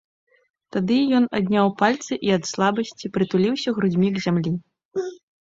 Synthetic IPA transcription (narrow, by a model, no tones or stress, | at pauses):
t̪ad̪ɨjɔnad̪ʲnʲawpalʲt̪sɨʔiɐt̪slˠabɐsʲt͡sʲipɾɨt̪ulʲiwsʲɐɣɾud͡zʲmʲiɡzʲamlʲi